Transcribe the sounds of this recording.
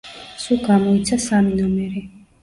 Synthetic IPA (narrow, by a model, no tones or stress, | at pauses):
suɡamɔit̪sʰasaminɔmɛɾi